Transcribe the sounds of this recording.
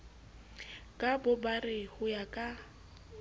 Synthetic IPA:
kʼabʊbarɪhʊjakʼa

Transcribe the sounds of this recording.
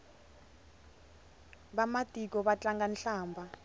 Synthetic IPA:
ɓamatʼik̬ʼɔɓat͡ɬaŋɡanɬaːmbʱa

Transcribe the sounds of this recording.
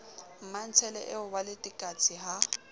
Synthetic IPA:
m̩man̩t͡sʰɛlɛ̰ʔɪʊwalɪtʼɪkʼat͡sʼiɦa

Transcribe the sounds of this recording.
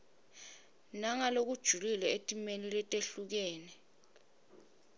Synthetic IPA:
naŋalok̬ud̥ʒ̥ʱulilɛetʼimenilɛtʼeɬuk̬ɛːnɛ

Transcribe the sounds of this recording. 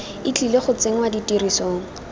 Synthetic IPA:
ɪt͡ɬileχʊt͡seŋ̩waditirisoːŋ̩

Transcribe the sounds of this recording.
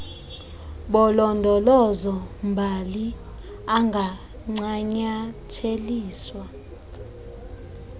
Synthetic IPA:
ɓɔlɔndʱɔlɔzɔmbʱali | aŋɡʱa | ŋ͡ǀaɲatʰeliːswa

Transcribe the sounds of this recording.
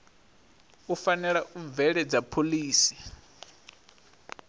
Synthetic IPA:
ufanɛɺaʔub̪vɛɺɛd͡zapʰoliːsi̥

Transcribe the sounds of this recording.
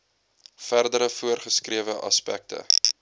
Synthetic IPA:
færdəɾəfuərχəskriəvəʔɐ̰spæ̰k̚tə̰

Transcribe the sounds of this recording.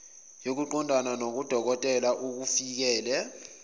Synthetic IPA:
jok̬uǃɔndʱananok̬ud̥ʱɔk̬ɔtʼɛlaʔuk̬ufik̬ɛːlɛ

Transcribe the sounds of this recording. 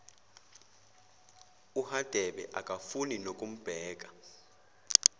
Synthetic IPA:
uhad̥ʱɛɓɛʔakʼafuninokʼum̩b̥ʱɛːk̬ʼḁ

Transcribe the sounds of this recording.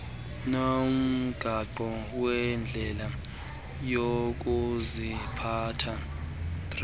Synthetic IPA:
nom̩ɡ̥ʱaǃɔwɛnd͡ɮʱɛla | jok̬uzipʰatʰa | d̥r

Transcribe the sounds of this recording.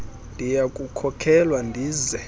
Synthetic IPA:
ndʱijakʼukʰɔkʰɛlwandʱiːzɛ

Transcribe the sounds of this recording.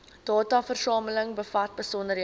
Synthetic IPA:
d̥ɑːtɑːfərsɑːmələŋbəfɐt̚bəsɔndəɾ

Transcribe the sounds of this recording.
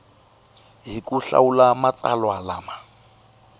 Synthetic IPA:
ɦikʼuɬa̰ulamat͡sʼa̰lwalaːma

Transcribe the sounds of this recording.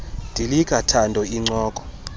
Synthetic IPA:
nd̥ʱilik̬ʼatʰandʱɔiŋ͡ǀɔːk̬ʼɔ̥

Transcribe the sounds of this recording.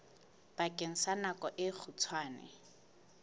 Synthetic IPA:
b̥akʼɪŋ̩sanakʼɔʔɪk͡xʰut͡sʰwaːnɪ̰

